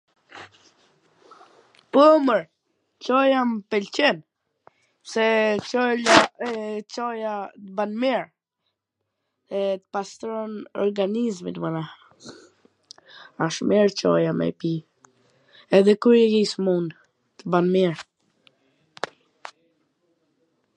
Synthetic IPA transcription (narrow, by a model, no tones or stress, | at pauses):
pəməɾ | t͡ʃɔjampɛlt͡ʃɛn | sɛɔla | t͡ʃɔjat̪əbanmiɹ | ɛt̪ə̥past̪ɾɔnɔɾɡanizmit̪əmanah | aʃmɛɹt͡ʃɔ̰jamɛ̰pi | ɛðɛkuɾɛɡismun | t̪əbanmiɹ